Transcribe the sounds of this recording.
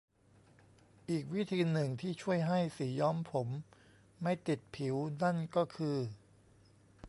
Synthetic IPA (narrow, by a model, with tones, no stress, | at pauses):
ʔiː˨˩k̚wi˦˥t̪ʰiː˧nɯ˨˩ŋt̪ʰiː˥˩t͡ɕʰu˥˩əjɦa˥˩jsiː˩˦jɔː˦˥mpʰo˩˦mː | a˥˩jt̪i˨˩t̪̚pʰi˩˦wna˥˩nkɔː˥˩kʰɯː˧